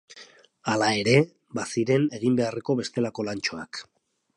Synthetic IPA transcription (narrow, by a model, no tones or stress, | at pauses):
alae̞ɾe̞ | basiɾe̞ne̞ɣ̞imbe̞are̞ko̞βe̞st̪e̞lako̞lant͡ʃo̞ak